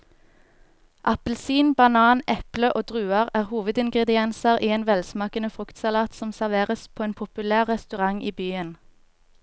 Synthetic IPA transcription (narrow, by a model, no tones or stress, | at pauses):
ʔɑpəl̩siːnbɑnɑːnʔɛpləʔoːd̪ʁʉːɑʁæːʁhuːʋəd̪ɪŋɡʁɛd̪ɪɛnsɑʁʔiːeːnʋɛlsmɑːkənəfʁʉkt̪sɑlɑːt̪sɔmsæʁʋeːʁəspʰoːeːnpʰʊpʉlæːʁʁɛst̪ʉʁɑŋʔiːbyːən